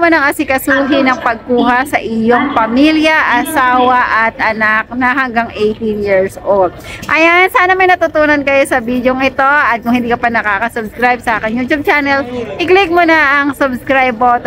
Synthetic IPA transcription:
manɐŋʔɐsɪkɐsuːɦɪnɐŋpɐɡ̚kuːɦɐsɐʔɪjoŋpɐmiljɐʔɐsaːwɐʔɐt̪̚ʔɐnak̚nɐɦɐŋɡaŋʔejt̪injiɹsʔold̪̚ʔɐjansaːnɐmɐjnɐt̪ʊt̪uːnɐnkɐjosɐbiːd̪joŋɪt̪o̞ʔɐt̪̚kʊŋhɪnd̪iːkɐpɐnɐkaːkɐsʊbskɾajb̚sɐʔaːkɪnjuːt̪ub̚t͡ʃanɛlpɪklɪk̚monɐʔɐŋsʊbskɾajbot̪

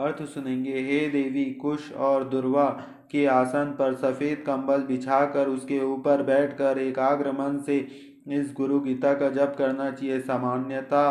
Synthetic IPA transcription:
ɐɾt̪ʰsʊnẽːŋɡeɦeːd̪eːʋikʊʃɔːɾd̪ʊɾʋa | keaːsaːnpɐɾsɐfeːd̪kɐ̃mbəlbɪt͡ʃʰaːkəɾʊskeuːpəɾbɛːʈʰkɐɾeːkaːɡɾəmənse | ɪsɡʊɾuɡit̪akad͡ʒɐbkɐɾnat͡ʃaɦiesaːmaːnjət̪a

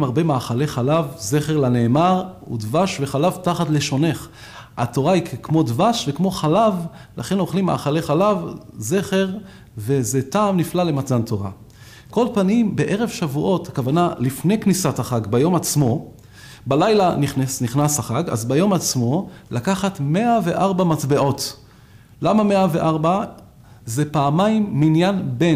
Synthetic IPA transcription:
maʁbe̞maːχaleχalavze̞χeʁlane̞ːmaʁ | ṵdvaʃveχalavtaχatleʃo̞ne̞χ | ato̞ʁaikkmo̞dvaʃvekmo̞χalav | la̰χe̞noχlimːa̰ːχale̞χalavze̞χe̞ʁ | vezetaːmniflale̞mat͡santo̞ʁa̰ | ko̞lpanimbeʔe̞ʁevʃavuʔo̞thakavanalifne̞jknisataχaɡbajo̞mat͡smo̞ | balajlaniχnesniχnasaχaɡa̰zbajo̞mat͡smo̞lakaχatmeave̞ʔaʁbamatbeʔo̞t | lamameaveʔaʁba | zepaːmaimːinjanbe̞

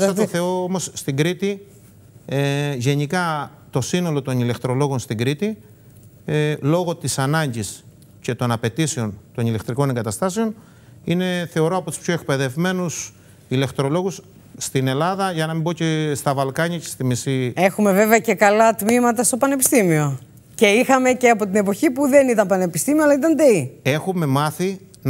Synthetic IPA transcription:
sɐoθe̞oomo̞sːt̪iɡɾit̪i | eʝe̞ɲikɐ | t̪o̞sino̞lo̞t̪o̞nile̞kt̪ɾo̞lo̞ɣo̞nst̪iŋɡɾit̪i | lo̞ɣo̞t̪isɐnɐɲɟis | ce̞t̪o̞nɐpe̞t̪iseo̞nt̪o̞nile̞kt̪ɾiko̞ne̞ŋɡɐt̪ɐst̪ɐse̞o̞n | ine̞θe̞o̞ɾo̞ɐpo̞t̪u̥spço̞e̞k̚pe̞ðe̞vme̞nus | ile̞kt̪ɾo̞lo̞ɣusː | t̪ine̞lɐðɐʝɐnɐmimbo̞cest̪ɐvɐlkɐɲɐcest̪imisie̞xume̞ve̞veɐce̞kɐlɐt̪mimɐt̪ɐst̪o̞pɐne̞pi̥st̪imio̞ | ce̞ixɐme̞ceɐpo̞t̪ine̞po̞çipuðe̞nit̪ɐmpɐne̞pist̪imioɐlɐit̪ɐnd̪eie̞xume̞mɐθi | n

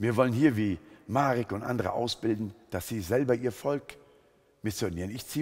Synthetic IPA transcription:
viːɐvɔlənhiːɐviːmaːʁɪkʊntʔa̰ndəʁə̰ʔa̰ʊsb̥ɪldn̩d̥asz̥iːzɛlbɐʔiːɐfɔlk | mɪz̥ʏɐdn̩jiːnɪçtt͡siː

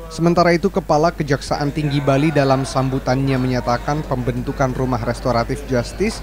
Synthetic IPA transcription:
səmənt̪aɾait̪ukəpalakəd͡ʒaksaʔant̪iŋɡibalidalamsambut̪anɲaməɲat̪akanpəmbənt̪ukanrumaɦrɛst̪oɾat̪ɪfd͡ʒast̪ɪs

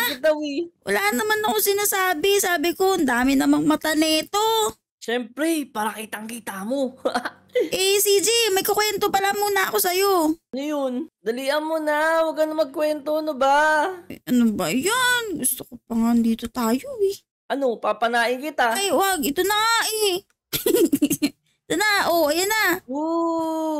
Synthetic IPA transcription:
akɪt̪awiwɐ̰laːnːɐmanɐkosɪnasaːbɪsaːbɪko̞ɐnd̪aːmɪnɐmɐŋmɐt̪ɐnɛːt̪o̞ | ʃɛmpɾɛpaːɾɐkit̪ɐʔŋkiːt̪amoa | ʔesid͡ʒimɐjkokwɛnt̪opɐlamuːnɐɐko̞sɐjo̞ɐnojond̪ɐliːʔɐnmonawɐɡɐnomɐɡ̚kwɛnt̪oɐnobaʔɐnobɐjanɡʊst̪okopɐŋand̪iːt̪ot̪aːjo̞ɛ | ʔɐno̞papɐnaːʔɪŋkɪt̪ajwaɡɪt̪onaɛ | ɪt̪onaʔoʔɐjɐnao

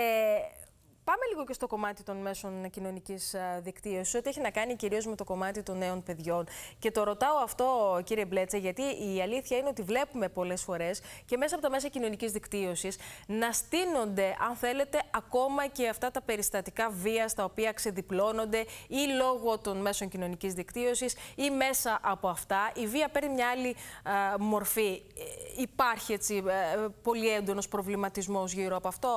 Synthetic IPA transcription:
e | pɐme̞liɣoce̞st̪o̞ko̞mɐt̪it̪o̞nme̞so̞ncino̞nicisðikt̪io̞siso̞t̪ieçinɐkɐniciɾio̞zme̞t̪o̞ko̞mɐt̪it̪o̞nːe̞o̞npe̞ðʝo̞nce̞t̪o̞ɾo̞t̪ɐo̞ɐft̪o̞ciɾie̞ble̞t͡sɐʝɐt̪iiɐliθçɐineot̪ivle̞pume̞po̞le̞sfo̞ɾe̞sce̞mesɐpo̞t̪ɐme̞sɐcino̞nicizðikt̪io̞sisnɐst̪ino̞nd̪e̞ʔɐnθe̞le̞t̪e̞ɐko̞mɐce̞ɐft̪ɐt̪ɐpe̞ɾist̪ɐt̪ikɐviɐst̪ɐopiɐkse̞ðiplo̞no̞nd̪e̞ilo̞ɣo̞t̪o̞nme̞so̞ɲcino̞nicizðikt̪io̞sisime̞sɐʔɐpo̞ɐft̪ɐʔiviɐpe̞ɾnimɲɐɐli | mo̞ɾfi | ipɐɾçie̞t͡sipo̞lie̞nd̪o̞no̞spɾo̞vlimɐt̪izmo̞zʝiɾoɐpoɐft̪o̞

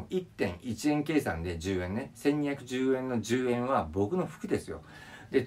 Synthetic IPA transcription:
it̪ːẽ̞ɰ̃it͡ɕiẽ̞ŋke̞ːsã̰nd̪e̞d͡ʑɨːẽ̞nːesẽɲ̟ĩçʲakɯ̟ʑɨːẽ̞nːo̞ʑɨːẽ̞ɰ̃βabo̞kɯ̟no̞ɸɯ̟̥kɯ̟d̪e̞sɨjo̞̰ | d̪et

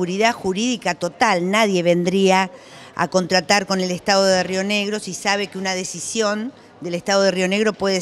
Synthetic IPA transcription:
uɾiðaxuɾiðikat̪o̞t̪alnaðje̞βe̞nd̪ɾia | a̰ko̞nt̪ɾat̪aɾko̞ne̞lest̪aðo̞ðerio̞ne̞ɣɾosisaβ̞e̞keunaðe̞sisjo̞n | d̪elest̪aðo̞ð̞erio̞ne̞ɣɾo̞pwe̞ðe

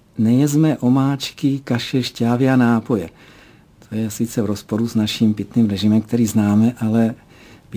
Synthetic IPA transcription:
nɛjɛzmɛʔo̞maːt͡ʃkɪkaʃɛʃcaːvɪanaːpo̞jɛ | t̪ʰo̞jɛsɪt͡sɛvɾo̞spo̞ɾuznaʃimpɪt̪niːmɾɛʒɪmɛmk̚t̪ɛɾiːznaːmɛʔalɛ

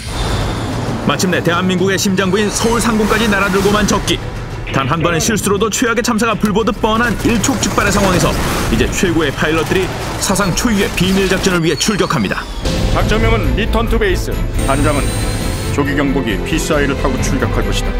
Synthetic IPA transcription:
mat͡ɕʰɯmne̞te̞ɦanmːinɡuɡe̞ɕʰimd͡ʑaŋbuinsʰʌuɭsʰaŋɡoŋk͈ad͡ʑinaɾadɯɭɡomant͡ɕʌk̚k͈i | tanɦanbʌneɕʰiɭs͈ɯɾodot͡ɕʰweaɡe̞t͡ɕʰamsʰaɡapuɭbodɯp͈ʌnɦaniɭt͡ɕʰok̚t͡ɕ͈ɯk̚p͈aɾesʰaŋwaŋe̞s̬ʰʌid͡ʑe̞t͡ɕʰwe̞ɡoe̞pʰailːʌtɯɾi | sʰas̬ʰaŋt͡ɕʰojue̞pimiɭd͡ʑak̚t͡ɕ͈ʌnɯɭɥiɦe̞t͡ɕʰuɭɡjʌkʰamɲḭda | pak̚t͡ɕ͈ʌŋmjʌŋɯnlitʰʌntʰubeis͈ɯ̰tand͡ʑaŋɯn | t͡ɕoɡiɡjʌŋboɡḭpʰis͈aiɾɯɭtʰaɡot͡ɕʰuɭɡʲjʌkʰaɭɡoɕʰi̥d̥a

